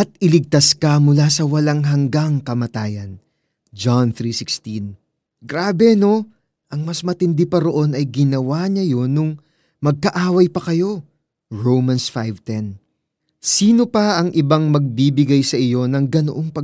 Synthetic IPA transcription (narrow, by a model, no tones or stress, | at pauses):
ʔɐt̪̚ɪlɪɡ̚t̪askɐmʊlaːsɐwɐlaŋɦɐŋɡaŋkɐmɐt̪aːjɐn | d͡ʒanθɾiːsɪkst̪in | ɡɾaːbɛno̞ | ʔɐŋmɐsmɐt̪ɪnd̪ɪpɐɾo̞ʔo̞nɐjɡɪnɐwaɲɐjo̞nʊŋ | mɐɡ̚kɐʔaːwɐjpɐkɐjo̞ | ɹowmɐnsfajvt̪ɛn | siːno̞pɐʔɐŋʔɪbaŋmɐɡ̚bibɪɡajsɐʔɪjo̞nɐŋɡɐnoʔoŋpɐ